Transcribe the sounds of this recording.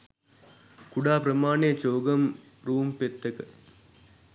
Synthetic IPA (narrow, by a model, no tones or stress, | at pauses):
kuɖaːpɾɐmaːneːt͡ʃoːɡɐm | ɾuːmpet̪ːɐkə